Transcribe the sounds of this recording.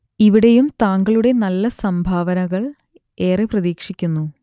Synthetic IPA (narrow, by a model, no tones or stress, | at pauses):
iʋiɽe̞jumt̪aːŋɡɐɭuɽe̞nɐlːɐsɐmbʱaːʋɐnɐɣɐɭ | e̞ːreprɐðiːkʂikʲːunːu